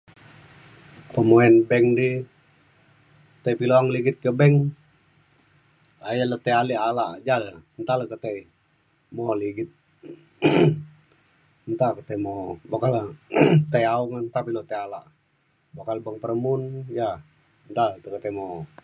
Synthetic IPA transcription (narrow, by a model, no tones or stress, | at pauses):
pəmoɛnbɛŋdi | t̪əjpiloaŋliɡɪt̪̚kəbɛŋ | ajalət̪əalialaʔd͡ʒalənt̪aləkət̪ai | moliɡɪt̪̚ | nt̪akət̪emobokalət̪ajauŋənt̪apilot̪əalaʔ | bokalbəŋpəɾəmunja | nt̪alt̪əkət̪emo